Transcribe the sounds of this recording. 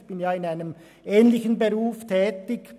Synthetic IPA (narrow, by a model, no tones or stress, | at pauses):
b̥ɪnjaːɪnaɪnəm | ʔɛːnlɪçənbeʁuːftʰɛːtɪk